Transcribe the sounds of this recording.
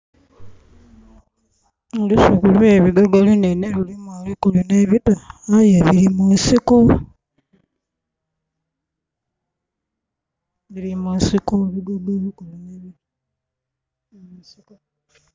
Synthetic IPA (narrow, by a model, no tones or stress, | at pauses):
olusukulueβiɡoɡalineneβilimwalikulineβitaajeβiɾimunsiku | βilimusikuβiɡoɡaβikolajeβili | musiku